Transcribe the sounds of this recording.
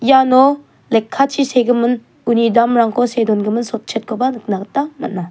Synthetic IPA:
janɔ | lekʰːat͡ʃʰiseɡɯmɯn | unidamɾaŋkʰɔsedɔnɡɯmɯnsɔp̚t͡ʃʰet̚kʰɔbanɯk̚naktːamat̚na

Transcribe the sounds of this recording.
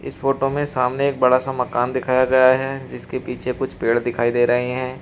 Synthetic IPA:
ɪ̰sfoːʈomẽsaːmneeːk̚bɐɽasamɐkaːnd̪ɪkʰaːjaɡɐjaɦɛːd͡ʒɪskepiːt͡ʃʰekʊt͡ʃʰpeːɽd̪ɪkʰaːid̪eːɾɐɦiɦɛ̃ː

